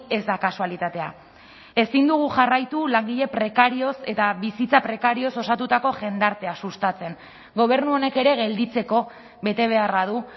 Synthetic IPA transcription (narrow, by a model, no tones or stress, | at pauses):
e̞zd̪akasualit̪at̪e̞a | e̞sind̪uɣ̞uʝarajt̪ulaŋɡiʎe̞pɾe̞kaɾio̞se̞t̪aβisit͡sapɾe̞kaɾio̞so̞sat̪ut̪ako̞ʝe̞nd̪aɾt̪e̞asust̪at͡se̞ŋ | ɡo̞β̞e̞ɾnuo̞ne̞ke̞ɾe̞ɣe̞ld̪it͡se̞ko̞ | βe̞t̪e̞β̞e̞arað̞u